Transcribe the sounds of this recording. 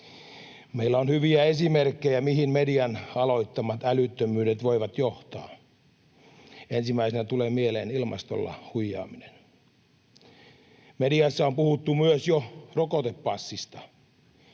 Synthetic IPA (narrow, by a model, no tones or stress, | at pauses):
meilːæonhyʋiæesimerkːejæmihinmediɑnɑloit̪ːɑmɑt̪ælyt̪ːømyːdet̪ʋoiʋɑt̪joht̪ɑː | ensimːˑæisenæt̪uleːmielḛːnilmɑ̰st̪o̰lːɑ̰hujːɑ̰ːminen | mediɑsːæompuhut̪ːumyøsjorokot̪epːɑsːist̪ɑ